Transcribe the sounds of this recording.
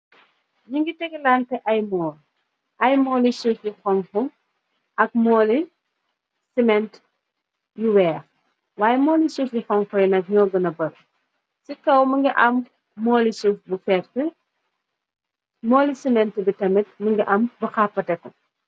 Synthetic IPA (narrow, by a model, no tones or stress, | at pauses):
ɲuŋɡitɛɡilantɛʔɐjmɔːl | ʔɐjmɔːlisufjixɔŋfuŋ | ɐk̚mɔːli | simɛnt | juwɛːx | waːjɛmɔːlisufjixɔŋfɔjunɐk̚ɲɔːɡɐnɐbɐɾ | sikɐwməŋɡiʔɐmː | ɔːlisufbufɛːɾtə | mɔːlisimɛntibitɐmɛt̚məŋɡiʔɐmbɐxapːɐtɛkɐ